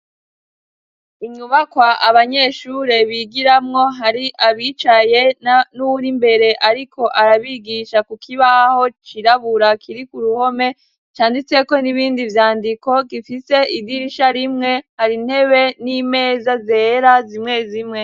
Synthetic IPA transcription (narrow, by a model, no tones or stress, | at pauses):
iɲuβakwaʔaβaɲe̞ʃuɾe̞βiɡiɾamŋo̞ɦaɾiʔaβiːt͡ʃaje̞anuuɾimbe̞ɾe̞ʔaɾikʰo̞ʔaɾaβiɡiʃakukʰiβahaho̞t͡ʃiɾaβuɾakʰiɾikuɾuho̞me̞ | t͡ʃaːndit͡se̞ko̞niβiːndivjaːndiko̞ɡifise̞ʔidiɾiʃaɾimŋe̞haɾin̥he̞βe̞nime̞ːzazeːɾazimŋe̞zimŋe